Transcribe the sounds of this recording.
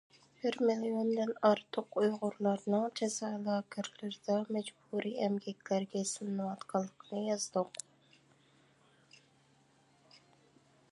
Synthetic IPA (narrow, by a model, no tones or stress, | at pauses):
b̥ɪɾmilijond̪ɨnɑɾt̪ʰʊqujʁʊɾlˠɑɾnɨŋd͡ʒʰɛzɑlˠɑːkʲʰæɾlɪɾd̪ɑmɛd͡ʒbuɾiːɛmɡʲɛkʲlæɾɡʲɛsɨnːɨwɑt̪qʰɑlˠːəqʰənɨjɑzd̪ʊq